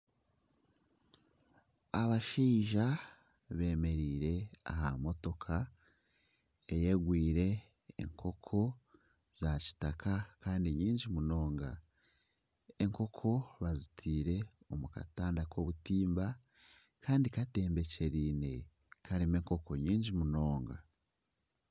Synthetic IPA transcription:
aβaʃiːʒa | βe̞ːme̞ɾiːɾe̞a̰hamo̞to̞kʰa | ejeɡwiːɾe̞̰ː | ŋkʰo̞kʰo̞ | z̥aci̥takʰakaːndiɲiːɲɟimuno̞ːŋɡa̰ | eŋko̞kʰo̞βazitʰiːɾe̞ | o̞muka̰taːndakʰo̞ːβutiːmba | kaːndikate̞ːmbe̞ce̞ɾiːne̞ | kʰaɾime̞ːŋko̞ko̞ɲiːɲɟimuno̞ːŋɡa

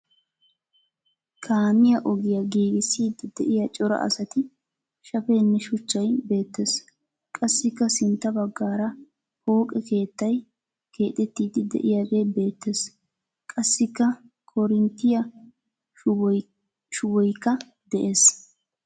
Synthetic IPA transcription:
kʰaːmɪjɐʔɔɡɪjɐɡiːɡɪsːiːd̪ɪd̪ɛʔɪjɐt͡ʃʼɔɾɐ̰ʔɐ̰sɐt̪ɪ | ʃɐfeːnːɛʃʊt͡ʃːɐjbe̞ːt̪ːe̞s | kʼɐsːɪkːɐsɪnt̪ːɐbɐɡːaːɾɐ | ho̞ːkʼɛke̞ːt̪ːɐj | kʰe̞ːt̪ɛt̪ːiːd̪ɪd̪ɛ̰ʔɪjaːɡeːbe̞ːt̪ːes | kʼɐsːɪkːɐ | kʰɔɾɪnt̪ːɪjɐ | ʃʊwɔjkːɐ | d̪ɛʔe̞ːs

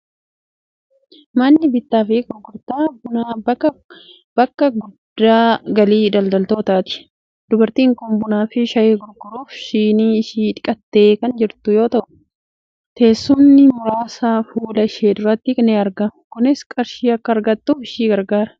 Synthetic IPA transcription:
mɐnːɪbɪt̪ːaːfɪɡʊɾɡʊɾt̪aːbʊna | b̥ɐkːɐɡʊd̪̥ːaːɡɐliːd̪ɐld̪ɐlt̪o̞ːt̪aːt̪ɪ̥ | d̪̥ʊbɐɾt̪iːŋkʊmbʊnaːfɪʃɐjeːɡʊɾɡʊɾuːfʃiːniːɪʃiːᶑ̪ɪkʼɐt̪ːe̞ːkɐnd͡ʒɪɾt̪ʊjo̞ːt̪ɐʔʊ̥ | t̪e̞ːsːʊnːɪmʊɾaːsaːfuːlɐʃeːd̪ʊɾɐt̪ːɪkneːɐɾɡɐkʊnɪskʼɐɾʃiːɐkːɐːɾɡɐt̪ːuːfɪʃiːɡɐɾɡaːɾɐ̥

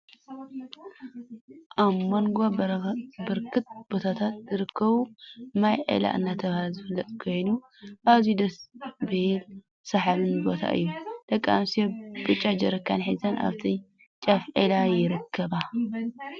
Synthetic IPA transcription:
ʔamːonɡo | bɨɾkʰɨt̪̚b̥o̞t̪ʰat̪ʰat̪̚zɨɾɨkʰːɐβumajʕḛla̰ʔɨnːat̪ʰɐβhazɨfɨlːɐt̪ʼkʰo̞jnu | ʔaβzid̪ɐsbɨhil | sɐħaβɨnbo̞t̪ʰa̰ʔɨ̰jːud̪̥ɐkʼːa̰msiob̥ɨt͡ʃʼad͡ʒɐɾɐkʰːanħizɐna̰βt̪ʰi | t͡ʃʼafʕelajɪɾɨkʰːɐβa

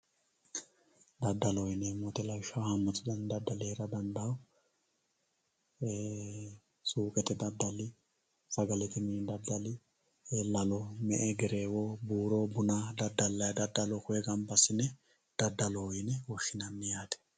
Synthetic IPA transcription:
d̪ɐd̪ːɐlɔjɪnɛmɔt̪ɛlɐjʃɐhɐmːɔt͡sʼːɪd̪ɐnd̪ɐd̪ːɐleːɾɐd̪ɐnd̪ɐw | suːkʼɛt̪ɛd̪ɐd̪ːɐlːɪ | sɐɡɐlɛt̪ɪmid̪ɐd̪ːɐlɪ | elɐlɔmɛʔɛɡɛɾeːwobuːɾobʊnad̪ɐd̪ːɐlːɐjɐd̪ɐd̪ːɐlɔkʊɛɡɐmbɐsɪnɛ | d̪̥ɐd̪ːɐlɔjɪnɛwɔʃːɪnɐnːɛjaːt̪ɛ̥

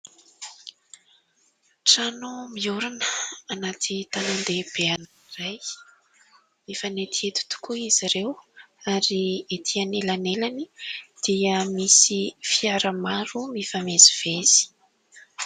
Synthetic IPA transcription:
ʈ͡ʂanumiuɾunəanat̪ʰit̪anand̪eb̥ean | ɾaj | mifanet̪ʰiet̪u̥t̪u̥kuiziɾewaɾiet̪ʰianelanelanid̪̥iəmisifiaɾəmaɾumifameziv̥ez̥i̥

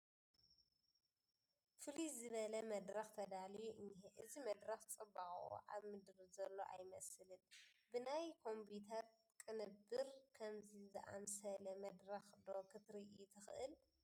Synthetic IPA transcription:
fɨlizɨβɐlɐmɐd̪ɾɐxt̪ʰɐd̪alijuʔɨɲːeʔɨzimɐd̪ɾɐxt͡sʼɨbːaxʼṵʔaβmɨd̪ɾɨzɐlːo̞̰ʔa̰jmɐsɨlɨnbɨnajkʰo̞mbit̪ʰɐt̪ | kʼɨnɨbːɨɾkʰɐmzizɨʔa̰msɐlɐmɐd̪ɾɐxd̪o̞kʰɨt̪ɾiʔut̪ʰɨxɨʔɨl

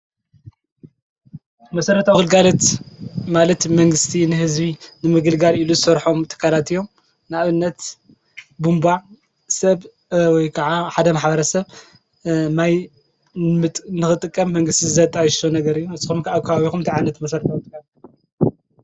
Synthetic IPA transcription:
mɐsɐɾɐt̪ʰawɡɨlɡalot̪malɐt̪mɐŋɡɨst̪ʰinɨɦɨzbinɨmɨɡɨlɡaliluzɨsɐɾħo̞mt̪ʰɨ̥kʰːalat̪ijom | nɨaβɨnːɐt̪ | bumba | sɐβ | wɔjkʰɐʕaħad̪ɐmaħbɐɾɐsɐβ | naj | ɨt̪ʼnɨxɨt̪ʼɨkʼːɐmːɐŋɡɨst̪ʰizɨzɐt̪ʼajɪʃt̪onɐɡɐɾɨjːuɨzɨxumkʰaβkʰɐβaβixumt̪ʰiʕanːɐt̪mɐsɐɾɐt̪ʰawt̪ʼɨkʼːal

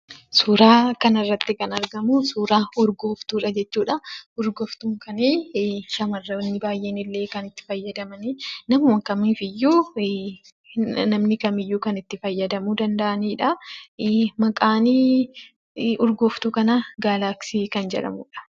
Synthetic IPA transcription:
suːɾaːkɐnɐrːɐt̪ːɪkɐnɐɾɡɐmusuːɾaːʊɾɡoːft̪uːᶑɐd͡ʒɛt͡ʃːuːᶑɐʊɾɡɔft̪uːŋkɐniːʃɐmɐrːɐnːɪbaːjʔeːnɪlːe̞ːkɐnɪt̪ːɪ̥fɐjːɐd̪ɐmɐninɐmɐwɐŋkɐmiːfɪjːuː | nɐmnɪkɐmɪjːuːkɐnɪt̪ːɪfɐjːɐd̪ɐmuːd̪ɐnd̪ɐʔɐniːᶑɐ | mɐkʼaːniː | ʊɾɡoːft̪ukɐnɐɡaːlaːksiːkɐnd͡ʒɛ̰ᶑɐ̰muːᶑɐ̥

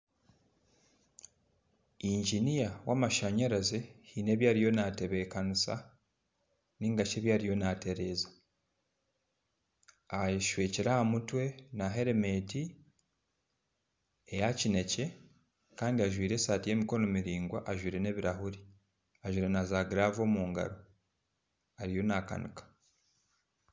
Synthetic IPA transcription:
iːɲɟinijawaːmaʃaɲaɾazehine̞ːβjaːɾijo̞nate̞βe̞kanusa̰ | niːŋɡat͡ʃe̞ːβjaːɾijo̞nate̞ɾezḁ | ajiʃweːciɾaamutwe̞naɦe̞ɾeme̞ːti | ejacine̞ce̞ | kaːndiaʒwiːɾe̞saːtije̞ːmiko̞no̞miɾiːŋɡwaʔaʒwiːɾe̞ne̞ːβiɾahuɾi | aʒwiːɾe̞nazaɡiɾavo̞ːmuːŋɡa̰ɾo | aɾijo̞naka̰nikḁ

